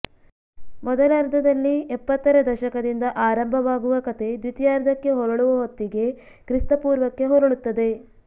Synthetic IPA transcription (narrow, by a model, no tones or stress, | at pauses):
mɔd̪ɐlɐɾd̪ʱɐd̪ɐlːiɛpːɐt̪ːɐɾɐd̪ɐʃɐkɐd̪ind̪ɐʔaːɾɐmbʱɐʋaːɡuʋɐkɐt̪ʰe̞d̪ʋit̪jaːɾd̪ɐkːe̞ɦɔɾɐɭuʋɐɦot̪ːiɡe̞ | kɾist̪ɐpuːɾʋɐkːe̞ɦɔɾɐɭut̪ːɐd̪e̞